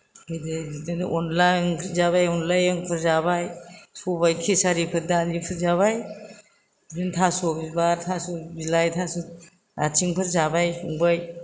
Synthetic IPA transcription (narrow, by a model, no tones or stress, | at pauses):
kɯjdedɯniʔɔnlajnpʰɯɾzaβajɔnlajɯŋpʰɯɾzaβajsubajkʰisaɾipʰɯɾdalipʰɯɾzaβaj | dintʰasubibaɾtʰasubilajtʰasu | ɾatʰiŋpʰɯɾzabajsuŋbaj